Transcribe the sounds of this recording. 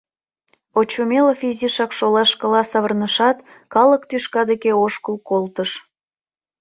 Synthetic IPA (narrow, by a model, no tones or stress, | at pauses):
ot͡ɕumeləfizʲiʃɑkʃolɑʃkə̆lɑsɑβərnəʃɑt̪ | kɑləkt̪yʃkɑd̪ekeoʃkəlkolt̪əʃ